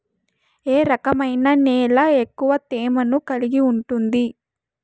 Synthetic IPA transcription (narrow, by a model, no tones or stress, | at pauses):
eːɾɐkɐmɐjnɐneːlɐekːuʋɐt̪eːmɐnukɐliɡiuɳʈund̪i